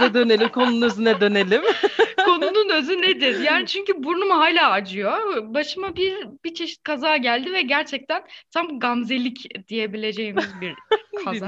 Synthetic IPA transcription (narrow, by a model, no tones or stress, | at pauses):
nɛd̪ø̞ne̞lʲimkʰo̞nuunøzynɛd̪ø̞ne̞lʲimkʰo̞nununø̞zyned̪iɾjaːnit͡ʃʰyɲcybuɾnumɦaːlʲaːad͡ʒɯjo̞baʃɯmabiɾbit͡ʃʰe̞ʃi̥t̪̚kʰazaːɟælʲd̪ivɛɟæɾt͡ʃʰɛc̚t̪ʰænt̪ʰamɡamze̞lʲicd̪̥ije̞bilʲe̞d͡ʒe̞jimizbiɾkʰaa